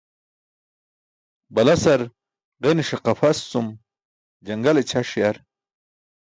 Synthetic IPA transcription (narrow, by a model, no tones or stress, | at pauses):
bɐlɐsɐɾ | ʁeniʂeqɐfɐsːum | d͡ʑɐŋɡɐlet͡ɕʰaʂjaɾ